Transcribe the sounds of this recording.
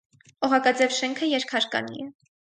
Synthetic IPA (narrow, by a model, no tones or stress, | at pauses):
ɔʁɑkɑd͡zɛvʃɛŋkʰəjɛɾkʰɑɾkɑ̰nḭɛ